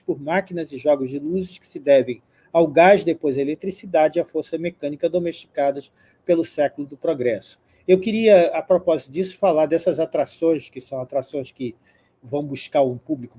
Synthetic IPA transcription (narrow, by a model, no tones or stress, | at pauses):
pʊɾmakinɐzɪʒɔɡʊzd͡ʒɪluzɪʃkɪ̥sɪd̪ɛvẽj̃ | awɡaʒd̪epojzɐelet̪ɾisid̪ad͡ʒɪiɐfoɾsɐmekɐ̃nikɐd̪omeʃt͡ʃi̥kad̪ɐʃ | pelʊsɛkulʊd̪ʊpɾoɡɾɛsʊ̥ | ewkiɾiɐːpɾopɔzit̪ʊd͡ʒisʊ̥falaɾd̪ɛsɐzat̪ɾasõj̃skɪsɐ̃w̃at̪ɾasõj̃skɪ | vɐ̃w̃buʃkaɾũpublikʊ